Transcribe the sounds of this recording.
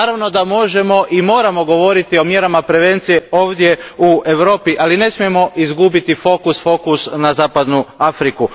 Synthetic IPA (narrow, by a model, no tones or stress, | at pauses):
aːɾaʋno̞d̪amo̞ʒe̞mo̞ʔimo̞ːɾamo̞ɡo̞ʋo̞ɾit̪io̞mje̞ɾamapɾe̞ʋe̞nt̪sije̞o̞ːʋd̪je̞ue̞ʋɾo̞ːpiʔaline̞smije̞mo̞ʔizɡubit̪ifo̞kusfo̞kusnazaːpad̪nuafɾiku